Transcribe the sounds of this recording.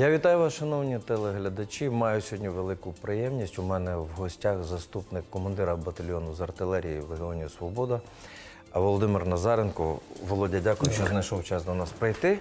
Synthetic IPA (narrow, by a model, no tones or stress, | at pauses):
jaʋʲit̪ɑjʊʋɑsʃɐnɔwnʲit̪ɛlˠɛɦlʲɐd̪ɐt͡ʃʲimɑjʊsʲɦɔdʲnʲiʋelˠɪkʊpɾɪjɛmnʲisʲtʲʊmɛnɛwɦɔsʲtʲaxzɐst̪upnɪkːɔmɐnd̪ɪɾɐbɐt̪ɐlʲɔnʊzɐrt̪ɪlˠɛɾʲijiʋeɦɪɔnʲijɐsʋɔbɔd̪ɐ | ɐʋɔlˠɔd̪ɪmɪrnɐzɑɾenkɔʋɔlˠɔdʲɐdʲakʊjʊʃt͡ʃɔznɐjʃɔwt͡ʃɑsd̪ɐnɑspɾɪjt̪ɪ